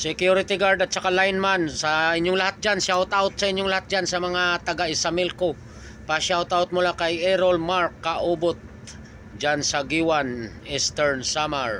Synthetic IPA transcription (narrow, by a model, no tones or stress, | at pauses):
sɛkjuɾɪt̪ɪɡaɹd̪at̪sɐkalajnmansɐɪɲːʊŋlɐhat̪̚d͡ʒansawt̪awt̪̚sɐʔɪɲːoŋlɐhat̪̚d͡ʒansɐmɐŋat̪ɐɡaɪsamɪlko | paʃawt̪awt̪̚mʊlakɐjɛɾolmaɹkːaʔubot̪̚ | d͡ʒansɐɡiwanist̪ɛɹnsamaɹ